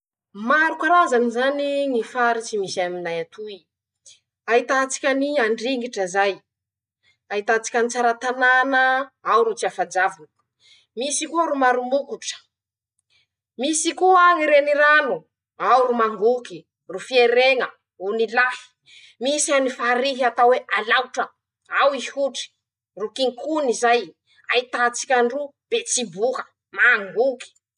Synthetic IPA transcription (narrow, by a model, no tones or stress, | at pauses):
maɾukaɾazanizaniŋifaɾit͡simisaminajat̪ʰui | aɦit̪at͡si̥kʲaniaɳɖ͡ʐiŋɡiʈ͡ʂəzaj | ait̪at͡si̥kʲanit͡saɾat̪ananəawɾut͡siafad͡ʒavun | misikuəɾumaɾumukuʈ͡ʂə̥ | misikuaŋiɾeniɾanu | awɾumaŋɡuki | rufieɾeŋə | unilahi̥ | misianifaɾiɦiat̪aweʔalawʈ͡ʂə | awihuʈ͡ʂi̥ | rukiŋkunizaj | ait̪at͡si̥kʲaɳrub̥et͡sibukə̥ | maŋɡuki̥